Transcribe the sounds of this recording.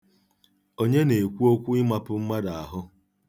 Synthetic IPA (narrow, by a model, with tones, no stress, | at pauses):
o˦ɲe˦ne˨kʷu˦o˦kʷu˦ɪ˦ma˦pʊ˦m̩˦ma˦da˨a˨ɦʊ˦